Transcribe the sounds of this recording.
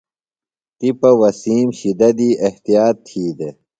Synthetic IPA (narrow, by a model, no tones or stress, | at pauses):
t̪ipɐwɐsiːmɕid̪ɐd̪iːʔeht̪ijaːt̪ʰːiːd̪e